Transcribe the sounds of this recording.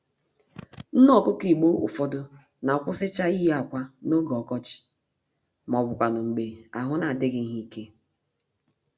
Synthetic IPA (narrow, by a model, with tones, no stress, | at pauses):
n̩˦nɔ˦˨kʊ˦ki˨ɡ͡bo˦ʊ̰˨fɔ˦dʊ˦ | na˨kʷʊ˦sɪ˦t͡ʃa˦i˦ɦa˨kʷa˦no˦ɡɔ˨kɔ˦t͡ʃɪ̥˨ | m˨ɔ˨bʊ˨kʷa˨nʊ˨ŋ͡m̩˨ɡ͡be˨a˨ɦʊ˦na˨a˨dɪ˦ɡɪ˨˦n̩˦ɦi˦i˦ke˦